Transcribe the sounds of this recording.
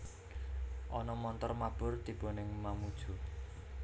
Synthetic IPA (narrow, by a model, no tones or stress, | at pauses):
ʔɔnɔmɔnt̪ɔrmab̥ʊ̤rt̪ib̥o̤nɪŋmamud̥ʒ̥ṳ